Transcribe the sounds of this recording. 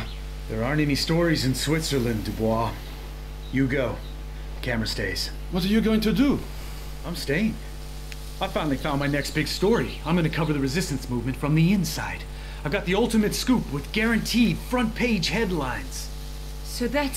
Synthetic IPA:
ðə˞ɑɹɨ̃nɛnistɔɹizɨ̃nswɪtsə˞lɨ̃ndɨbwɔ | jɨɡoʊ | kʰæmə˞ɨsdeɪz̥ | wʌɾə˞jɨɡoʊɪ̃ŋtɨdə | ãɪ̃msteɪɪ̃ŋ | aɪv̥fãɪ̃nl̩ˠifãʊ̃nmaɪnɛksb̥ɪɡ̥stɔɹiãɪ̃mɡʌnɨkʰʌvə˞ðɨɹɨzɪstɨ̃n̩smuvmɨ̃ntfɹʌ̃mðiɪ̃nsa̰ɪɾ̥ | aɪvɡɑt̪̚ðiʌlˠtɨmɨtskupwɨðɡɛɹɨ̃ntʰifɹʌ̃npʰeɪ̥d͡ʒ̥hɛdˡlãɪ̃nz̥ | soʊðæt

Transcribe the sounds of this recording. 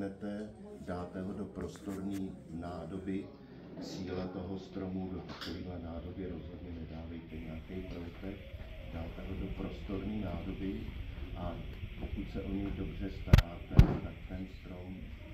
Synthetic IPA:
nɛt̪ɛ | daːt̪ɛɦodo̞pɾo̞st̪o̞ɾniː | naːdo̞bɪ | siːlɛt̪o̞ɦo̞st̪ɾo̞mudo̞t̪ḁkoviːɦlɛnaːdo̞bjɛɾo̞zɦodɲɛnɛdaːvɛjt̪ɛɲaakɛjpolɪt̪ɛkdaːt̪ɛɦo̞do̞pɾo̞st̪o̞ɾniːnaːdo̞bɪʔapo̞kut̪sɛʔo̞ɲɛjdo̞br̝ɛst̪aɾaːt̪ɛt̪akt̪ɛnst̪ɾo̞m

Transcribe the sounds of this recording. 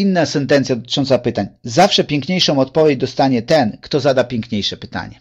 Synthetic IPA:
inːasɛnt̪ɛnt̪sʲjad̪ɔt̪ɘ̥t͡ʂɔnt̪sapɘt̪aɲzafʂɛpʲjɛŋkɲejʂɔ̃w̃ɔt̪̚pɔvʲjed͡ʑd̪ɔst̪aɲɛt̪ɛnkt̪ɔzad̪apʲjɛŋkɲejʂɛpɘ̥t̪a̰ɲɛ

